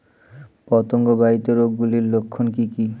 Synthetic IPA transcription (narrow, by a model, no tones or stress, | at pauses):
pɔt̪oŋɡobait̪oɾoɡɡuliɾlokʰːonkiki